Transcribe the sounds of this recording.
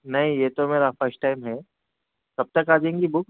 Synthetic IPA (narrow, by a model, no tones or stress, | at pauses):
nɐɦĩjeːt̪omeːɾafəɾsʈʈːaːɪmɦɛː | kɐb̚t̪əkaːd͡ʒẽːŋɡibʊk